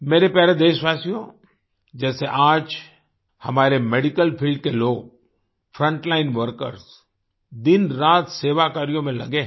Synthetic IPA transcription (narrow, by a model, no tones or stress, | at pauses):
meːɾepjaːɾed̪eːʃʋaːsijõ | d͡ʒɛːseʔaːd͡ʒ | hɐmaːɾemeːɖɪkəlpʰiːlɖ̚keloːɡ̚ | fʰɾə̃ɳʈlaːɪnʋəɾkə̰ɾs | d̪ɪnɾaːt̪seːʋakaːɾijõmẽlɐ̰ɡe